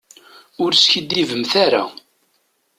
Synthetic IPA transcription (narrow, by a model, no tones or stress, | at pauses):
ʊɾsçid̪ivəmθaɾa̰